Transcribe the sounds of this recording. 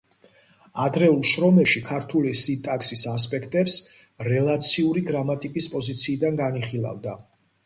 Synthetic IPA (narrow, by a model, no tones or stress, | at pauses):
ad̪ɾɛulˠʃɾɔmɛpʃikʰaɾt̪ʰulisit̪ʼaksisas̬pʼɛkʰt̪ʼɛps | ɾɛlˠat̪sʰiuɾiɡɾamat̪ʼikʼispʼɔzit̪sʰiːd̪anɡaniχilˠa̰vd̪a